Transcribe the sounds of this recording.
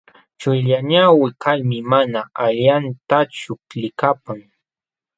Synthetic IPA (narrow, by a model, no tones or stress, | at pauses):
t͡ʃʊjʎaɲawɪkalmɪmanaaʎant̪at͡ʃʊlɪkapaŋ